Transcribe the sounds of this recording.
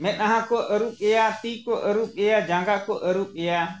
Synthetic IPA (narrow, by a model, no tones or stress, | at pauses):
mɛ̃naɦãkɔʔəɾuɓɛjat̪iːkɔʔəɾuɓejad͡ʒãːŋɡakɔʔəɾuɓɛja